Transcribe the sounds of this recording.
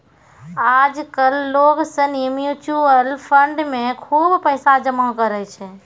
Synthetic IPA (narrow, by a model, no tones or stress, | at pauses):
ad͡ʒkəlːoɡsənimjut͡ʃuəlpʰəɳɖmẽkʰuːbpəɪsad͡ʒəmakəɾɛt͡ʃʰɛ